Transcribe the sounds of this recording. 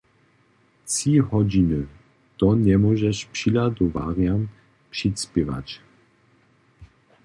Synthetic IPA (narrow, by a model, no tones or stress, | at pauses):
t͡sihɔd͡ʑinə | t̪ɔnɛmɔʒɛʃpʂilad̪ɔva̰ʁjam | pʂitspɛva̰t͡ʃ